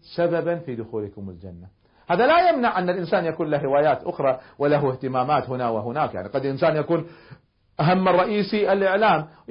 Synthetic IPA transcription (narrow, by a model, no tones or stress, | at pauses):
sababanfiːd̪ʊxuːlkʊmɪ̰ld͡ʒa̰nːa | haːðalajamnaʕʔanːalʔɪnsaːnjakuːnlahɾɪwaːjaːt̪ʔʊxɾˤɑwɪlaɦuɪht̪ɪmaːmaːt̪hʊnawɪɦʊnaːkja̰ʕniqɑd̪lʔɪnsaːnjakuːn | ʔaɦamːrˤːɑʔiːsiʔalʔɪʕlaːm